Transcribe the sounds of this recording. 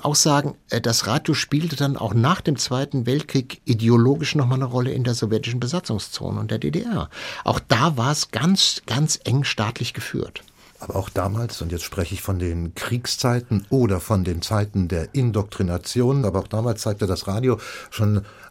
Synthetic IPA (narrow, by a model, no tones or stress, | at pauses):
ʔa̰ʊxz̥aːɡŋ̩ːd̥asʁaːdjoʃpiːltədanʔa̰ʊxnaːχd̥eːmt͡sv̥aɪtn̩vɛltkʁ̥iːkʔideoloːɡɪʃnɔχmalnəʁɔləʔɪ̰ndeːɐzɔvjɛtɪʃn̩bəzat͡sʊŋst͡so̰ːnə̰ʊntd̥eːɐdḛːdḛʔɛɐʔaʊxd̥aːvaːɐɛsɡ̥ant͡sɡ̥ant͡sʔɛŋʃtaːtʰlɪçɡ̥əfy̰ːɐt | ʔaːbɐaʊxd̥aːmaːlsʊntjɛt͡stʃpʁ̥ɛçəɪçfɔndeːnkʁ̥iːkst͡saɪtn̩ʔoːɾɐfɔndeːnt͡saɪtn̩deːɐʔɪndɔk̚tʁ̥inat͡sjoːnnaːbɐaʊxd̥aːmaːlst͡saɪk̚tədasʁaːdjoʃoːn